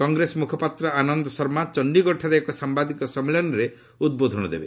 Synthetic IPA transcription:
kɔŋɡɾesɔmukʰɔpat̪ɾɔanɔnd̪ɔsɔɾmat͡ʃɔnɖiɡɔʈʰaɾeːkɔsambad̪ikɔsɔmːelɔnɔɾe | ud̪̚bod̪ʱɔnɔd̪ḛbe

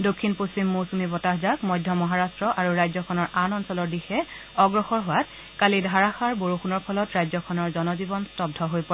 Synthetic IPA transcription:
dokʰːinposimːosumibɔtaɦzakmɔjdʱːɔmɔɦaɹastɹɔʔaɹuɹajzɔkʰɔnɔɹanɔnsɔlɔɹdixɛ | ɔɡɹɔxɔɹɦʊwat | kalidʱaɹaxaɹboɹuxunɔɹpʰɔlɔtɹajzɔkʰɔnɔɹzɔnɔzibɔnstɔb̚dʱɔɦojpɔɛ

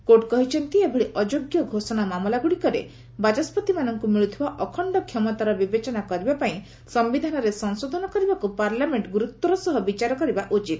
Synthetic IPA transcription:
koʈkɔɦit͡ʃʰɔnt̪iebʱeɭiʔɔd͡ʒoɡjɔɡʱosɔnamamɔlaɡuɽikɔɾḛ | bad͡ʒɔspɔt̪imanɔŋkumiɭut̪ʰibaʔɔkʰɔɳɖɔkʰjɔmɔt̪aɾɔbibet͡ʃɔnakɔɾibapaĩ | sɔmbid̪ʱanɔɾesɔŋsod̪ʱɔnɔkɔɾibakupaɾlameɳʈɡuɾut̪ːɔɾɔsɔɦɔbit͡ʃaɾɔkɔɾibaʔut͡ʃit̪

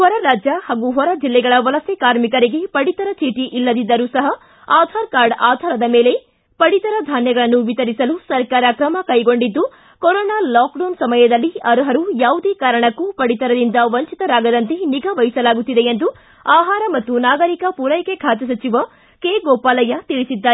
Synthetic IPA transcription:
hɔɾɐɾaːd͡ʒjɐhaːɡuɦɔɾɐd͡ʒilːɛɡɐɭɐʋɐlɐsɛkaːɾmikɐɾiɡe̞pɐɽit̪ɐɾɐt͡ʃiːʈiʔilːɐd̪id̪ːɐɾusɐɦɐ | aːd̪ʱaːɾkaːɾɖaːd̪ʱaːɾɐd̪ɐme̞ːle̞ | pɐɽit̪ɐɾɐd̪ʱaːnjɐɡɐɭɐnːuʋit̪ɐɾisɐlusɐɾkaːɾɐkɾɐmɐkɐjɡo̞ɳɖid̪ːu | kɔɾɔːnaːlaːkɖonsɐmɐjɐd̪ɐlːiɐɾuɦɐɾujaːʋud̪ekaːɾɐɳɐkːupɐɽit̪ɐɾɐd̪ind̪ɐʋɐɲt͡ʃit̪ɐɾaːɡɐd̪ɐnt̪eniɡɐʋɐjisɐlaːɡut̪ːid̪eend̪u | aːɦaːɾɐmɐt̪ːunaːɡɐɾikɐpuɾɐjkekʰaːt̪ɐs̬ɐt͡ʃiʋɐ | keːɡɔːpaːlɐjɐt̪iɭisid̪ːaːɾe

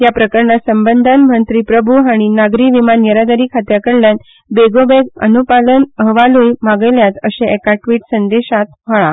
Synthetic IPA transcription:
japɾəkəɾɳəsəmbənd̪ʱanm̤ənt̪ɾiːpɾəbʱuɦaɽ̃inaɡɾiːʋimanjəɾad̪əɾiːkʰat̪jakəɽljan | beɡobeɡə̰nupalənəɦʋalujmaɡəjljat̪əseekaʈʋiːʈsənd̪eɕat̪̚m̤əɭa

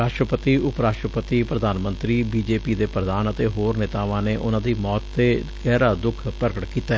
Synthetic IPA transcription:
ɾaːʃʈɾəpət̪iːʊpɾaːʃʈɾəpət̪iːpɾəd̪aːnmə̃nt̪ɾiːbiːd͡ʒeːpiːd̪eːpɾəd̪aːnət̪eːɦoːɾnɪt̪aːʋãːneːʔʊnãːd̪iːmɔːt̪ːeːɡɛːɾaːd̪ʊkʰpəɾkəʈkiːt̪aː

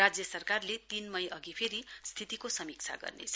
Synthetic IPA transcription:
ad͡zjʌsʌrkarlet̪inmʌjʔʌɡipʰeɾist̪ʰit̪ikosʌmikt͡sʰa̰ɡʌ̰rnḛt͡sʰ

